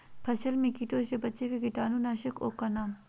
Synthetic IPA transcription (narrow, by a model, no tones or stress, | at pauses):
pʰɐsɐlmẽkiʈoːʃebɐtːt͡ʃekekiʈaːnunaːʃɐko̰ːkːɐnaːm